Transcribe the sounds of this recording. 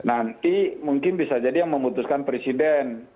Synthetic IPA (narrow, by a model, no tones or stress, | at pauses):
nant̪imuŋkɪnbisad͡ʒadijaŋməmut̪uskanpɾɛsidɛn